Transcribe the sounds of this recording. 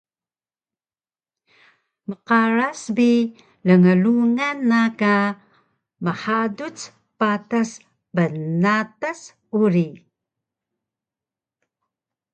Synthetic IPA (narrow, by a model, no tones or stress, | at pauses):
məqaɾasbi | ləŋəluŋanːaka | məħadut͡s | patas | bənatas | uɾi